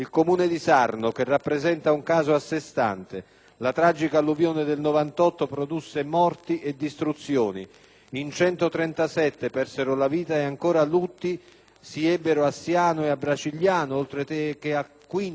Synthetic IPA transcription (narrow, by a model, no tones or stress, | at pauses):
ilkomuːned̪isarnok̟erːapːɾezɛnt̪auŋkaːzʊasːest̪a̰nt̪e | lat̪ɾad͡ʒikaluvjoːned̪elnovant̪ɔt̪ːopɾod̪usːemɔrt̪iʔed̪ːist̪ɾut̪sːjoːnḭ | int͡ʃɛnt̪ot̪ɾɛnt̪asɛt̪ːepɛrseɾʊlaviːt̪aeaŋkoːɾalut̪ːi | siɛbːeɾʊasːjaːnoeabːɾat͡ʃiljaːnʊolt̪ɾeekeakːwin